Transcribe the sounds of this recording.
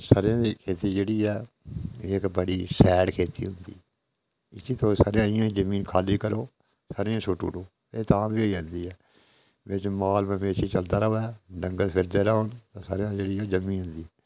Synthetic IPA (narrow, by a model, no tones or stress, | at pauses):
saːɾjãːd̪iːkʰeːt̪iːd͡ʒeːɽiːɛː | ɪkbəɽiːsɛːɽkʰeːt̪ḭːɦʊnd̪ḭː | ɪsiːt̪oːsaːɾeãːɪjãːd͡ʒəmĩːnkʰaːliːkəɾoː | saːɾeãːsʊʈṵːɽoː | eːt̪ãːbiːiãːnd̪iːɛː | ʋɪt͡ʃmaːlmə̃meːʃiːt͡ʃəld̪aːɾəoɛːɖə̃ŋɡəlpʰɪɾd̪eːɾaont̪ãːsa̰ːɾãːd͡ʒeːɽiːɛːd͡ʒəmĩːɦʊ̃nd̪iː